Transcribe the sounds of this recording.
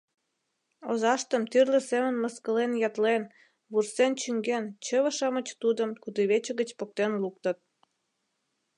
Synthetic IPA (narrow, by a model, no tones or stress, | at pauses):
ozɑʃt̪əmt̪yrlə̆semənməskəlenjɑt̪len | βursent͡ɕyŋɡent͡ɕəβəʃɑmət͡ɕt̪ud̪əmkud̪əβet͡ɕə̆ɣət͡ɕpok̚t̪enluk̚t̪ə̆t̪̚